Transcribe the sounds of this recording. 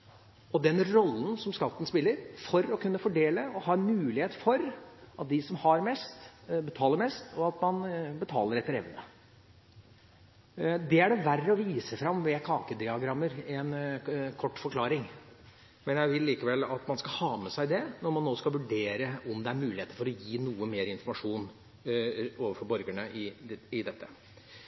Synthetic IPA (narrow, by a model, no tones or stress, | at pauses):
ɔd̪ɛnɾɔlːn̩sɔmskɑt̪ːən̩spɪlːəɾfɔɾɔkʉnːəfɔɖeːləɔhɑːɛnmʉːlɪheːt̪fɔɾɑt̪̚d̪ɪsɔmhɑɾmɛst̪bət̪ʰɑːlːəɾmɛst̪ɔɑt̪mɑnbət̪ʰɑ̰ːləɾɛt̪ːəɾɛ̰ʋnə | d̪ɛæɖɛʋærːəɔʋiːsəfɾɑmʋɛkʰɑːkəd̪ɪɑɡɾɑmːəɾɛnkʰɔʈːfɔɾkʰlɑːɾɪŋ | mɛnjæɪʋɪlːiːkəʋɛlːɑt̪mɑnskɑhɑːmɛsæɪd̪ɛnɔɾmɑnːoːskɑʋʉɖeːɾəɔmd̪ɛæɾmʉːɪheːt̪əɾfɔɾɔjiːnuːəmeːɾɪnfɔɾmɑʂuːn | oːʋəɾfɔɾbɔɾɡəɳəʔɪɪd̪ɛt̪ʰːə